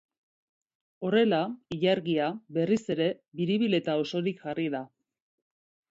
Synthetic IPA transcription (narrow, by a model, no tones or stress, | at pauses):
o̞re̞laiʎaɾɣiaβe̞rise̞ɾe̞ | βiɾiβile̞t̪ao̞so̞ɾikʝariða